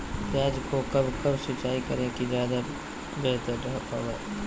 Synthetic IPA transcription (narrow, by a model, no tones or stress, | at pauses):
taːd͡ʒkokɐbkɐbsɪt͡ʃaːikɐɾekizjaːd̪a | beːt̪əɾːɐɦt̪o̰ːɡaː